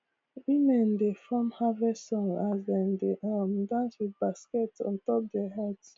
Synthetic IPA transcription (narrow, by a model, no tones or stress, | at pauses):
imɛ̃ndefɔ̃mhavɛsɔ̃ŋazdɛ̃ndeʔamdãswid̚baskɛtɔ̰̃ntɔp̚dɛɦɛds